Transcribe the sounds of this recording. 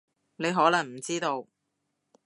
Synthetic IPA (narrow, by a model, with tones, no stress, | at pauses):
ne˨˧jɦɔː˨˥lɐ˨˩ŋm̩˨˩t͡siː˥t̪o˧w